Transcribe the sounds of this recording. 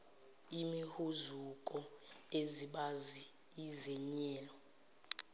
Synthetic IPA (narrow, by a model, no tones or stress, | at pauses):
imihuzukʼɔeziɓaziː | zɛɲɛːlɔ